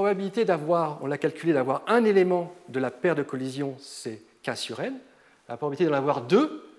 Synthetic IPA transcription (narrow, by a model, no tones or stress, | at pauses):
pχɔbabilit̪ed̪avwaːʁɔ̰̃lakalkʲyled̪avwaʁɛ̃nelemɑ̃d̪əlapɛʁd̪əkɔlizjɔ̃sɛ | kɛ̃syʁɛn | la̰pχɔbabit̪ed̪ɑnavwaʁd̪ø